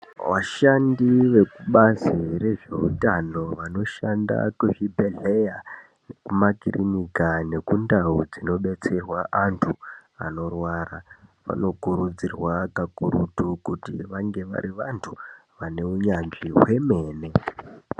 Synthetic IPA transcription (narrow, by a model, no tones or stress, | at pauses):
ʋaʃandiʋe̞kuɓazire̞ʐe̞utano̞ʋano̞ʃanda̰kuɦibʱe̞ɮe̞ja | ne̞kumakirinikane̞kundaud͡zino̞ɓe̞t͡se̞rwaʔantʰua̰no̞rwaːraʋa̰no̞kuɾud͡zirwakakuɾutukutḭʋaŋɡe̞ʋa̰ɾiʋantʰuʋane̞uɲanʐiɦwe̞me̞ːne̞